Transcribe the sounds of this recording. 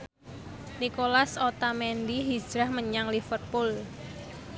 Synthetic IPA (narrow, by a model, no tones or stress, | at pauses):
nikolasot̪amɛnd̪iɦi̥d͡ʒ̥ɾahməɲaŋlifərpʊl